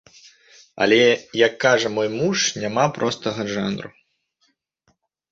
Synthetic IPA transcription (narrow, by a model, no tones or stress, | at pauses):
ɐ̰lʲɛjɐkːaʐɐmɔjmuʂnʲamapɾʔɔst̪ɐɣɐʐa̰nɾṵ